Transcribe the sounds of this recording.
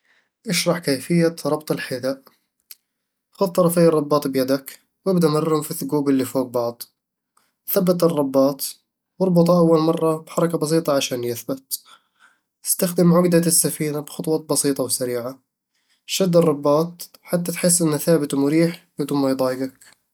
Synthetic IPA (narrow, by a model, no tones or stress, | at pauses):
ʔaʃɾˤɑħkaːfɪjːaɾˤɑbt̪ˤɑlħɪd̪aʔ | xʊð̚t̪ˤɑɾˤɑfijːɑrˤːɑbːɑːt̪ˤbjad̪ak | wɪbd̪aʔmɪrˤhʊmfiθʊɡuːbɪlːifoːɡ̚bɑʕd̪ˤ | θabːat̪ɨrˤːɑbːɑːt̪ˤ | wɑɾˤbʊt̪ˤʔawːalmɑrˤːɑbħɑɾˤɑkabɑs̬ˤiːt̪ˤɑʕaʃaːnjɪθbat̪ | ʔɪ̥st̪axd̪ɪmʕʊɡd̪asːafiːnabxʊt̪ˤwɑːt̪̚bɑsiːt̪ˤɑwsaɾiːʕa | ʃad̪ːɨrˤːɑbːɑːt̪̚ˤ | ħat̪ːat̪ħɪsːʔɪnːaθaːbɪt̪mʊɾiːħbɪd̪uːnmajd̪ˤɑːjɪɡak̚